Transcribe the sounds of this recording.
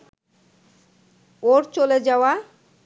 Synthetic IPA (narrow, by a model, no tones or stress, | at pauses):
oɾt͡ɕoled͡ʑaoa